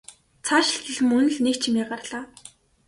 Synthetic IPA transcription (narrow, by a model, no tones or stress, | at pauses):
t͡sʰaːʃɪ̆ɬt̪ə̆ɮmɵnɵ̆ɮnekt͡ɕʰimʲiːɢarɮ̥aː